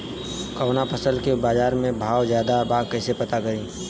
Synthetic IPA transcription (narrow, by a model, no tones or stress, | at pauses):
kɐʋnapəsəlkebaːd͡ʒaːɾmẽbʱaːwzjaːd̪abaːkɛːsepɐt̪akɐɾĩː